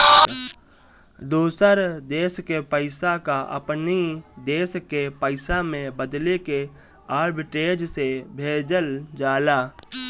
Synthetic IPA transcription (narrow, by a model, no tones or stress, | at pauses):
d̪oːsəɾd̪eːskepəɪsakaʔə̰pnid̪eːskepəɪsamẽbəd̪leke | aːɾbɪʈeːd͡ʒsebʱeːd͡ʒəld͡ʒaːlaː